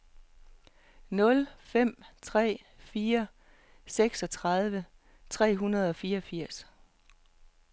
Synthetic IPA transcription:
nɔ̽lfem̰t͡sʰʁɛ̰ː | fiːɐ | seɡ̥sɒ̽t͡sʰʁɑð̞ˠʋə | t͡sʰʁɛ̰ːɦunɐð̞̩ˠɒ̽fiːɐɒ̽fiɐ̰s

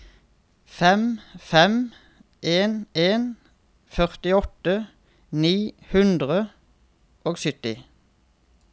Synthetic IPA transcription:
fɛmfɛm | ʔeːneːn | fœʁt̪ɪɔt̪ə | niːhʉnd̪ʁə | ʔoːɡsʏt̪ɪ

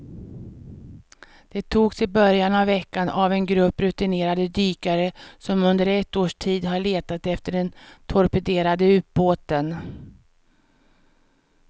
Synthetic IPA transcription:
d̪̥ɛt̪ʰuːɡsɪbœɾjanavːɛkːanavɛnɡɾɵpːɾɵt̪ɪneːɾad̪əd̪yːkaɾəsɔmɵnd̪əɾɛt̪ːoːʂʈʰiːd̪ɦaɭeːt̪at̪ɛft̪əɖɛnt̪ʰɔɾpɛd̪eːɾad̪əʉ̟ːt̪̚boːt̪ən

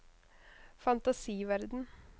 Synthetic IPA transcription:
fɑnt̪ɑsiːʋæɾd̪n̩

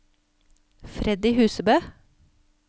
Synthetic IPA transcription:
fɾɛd̪ɪːhʉːsəbøː

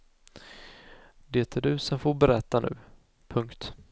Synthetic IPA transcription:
d̪eːt̪ʰæɖɵːsɔmfoːɾbɛɾɛt̪ːanʉ̟ː | pʰɵŋkt̪

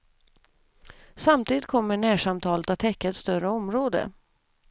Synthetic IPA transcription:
samt̪ʰiːd̪ɪt̪̚kʰɔmːəɳæːʂamt̪ʰɑːlət̪at̪ʰːɛkːaɛt̪st̪œɾəɔmɾoːd̪ə̰

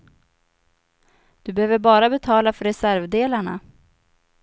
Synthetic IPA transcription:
d̪̥ɵbɛhøːvəɾbɑːɾabɛt̪ʰɑːlafœɾːɛsæɾvd̪eːlaɳa̰

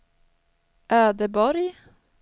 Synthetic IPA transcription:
ʔæːɖeːbɔɾj

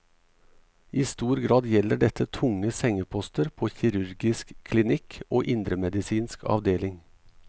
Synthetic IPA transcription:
ʔiːst̪uːɾɡɾɑːd̪jɛləɖɛt̪ət̪ʰʊŋəsɛŋəpʰɔst̪əɾpʰoːçɪɾʉɾɡɪskʰlɪnɪkʰoːʔɪnd̪ɾəmɛd̪ɪsiːnskʰɑ̰ʋd̪eːlɪŋ

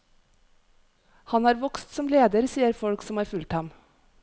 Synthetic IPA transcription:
hɑnhɑːɾʋɔkst̪sɔmleːd̪əɾsiːəɾfɔɽksɔmhɑːɾfʉlt̪hɑm

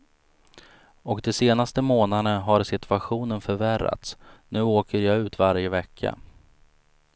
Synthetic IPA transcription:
ɔkd̪ɛseːnast̪əmoːnanəɦaɾsɪt̪ʰɵaɧuːnənfœɾvæɾːa̰t̪snʉ̟ːoːkəɾjaʉ̟ːt̪vaɾjəvɛkʰːa̰

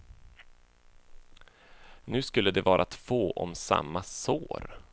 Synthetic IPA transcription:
nʉ̟ːskɵlːəd̪ɛvɑːɾʔat̪foːʔɔmsa̰mːasoːɾ

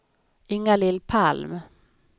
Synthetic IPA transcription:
ɪŋːalɪlːpʰalm

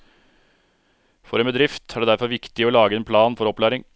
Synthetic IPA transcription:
fɔɾeːmbəd̪ɾɪft̪ʰæɾɖeːd̪æɾfɔɾʋɪkt̪ɪɔːlɑːɡəeːnpʰlɑːnfɔɾɔplæːɾɪŋ

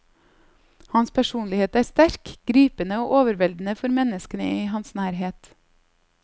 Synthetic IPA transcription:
hɑnspʰæʃuːnlɪheːt̪æːɾst̪æɾkɡ̥ɾiːpənəoːʔoːʋəɾʋɛld̪n̩əfɔɾmɛnəskənə̰iːhɑnsnæːɾɦeːt̪

